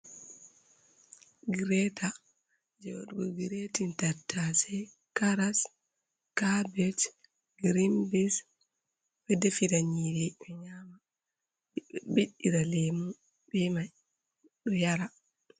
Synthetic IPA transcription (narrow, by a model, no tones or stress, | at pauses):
ɡiɾɛtʰa | d͡ʒɛwɔ̰ɗuɡɔɡiɾetintatʰːasɛ | kaɾas | kabɛt | ɡɾimbis | bɛdɛfiɾaɲiɾɛɓɛɲama | biɗiɾalemu | bɛmaj | ɗɔjaɾa